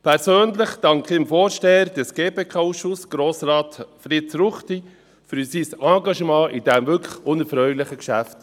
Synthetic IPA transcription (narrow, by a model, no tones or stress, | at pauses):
pʰɛɾsøːnlɪχd̥ɑŋkχɪmfoːɾʃteːəɾdɛsɡ̥eːpekʰɑuʃʊsɡ̥ɾoːsɾɑːtfɾɪtsɾʊχti | fyɾsisɑ̃ːɡɑʃmɑ̃ːʔɪdɛmʋʏkʰʊnəfɾœʏlɪχəkʃæft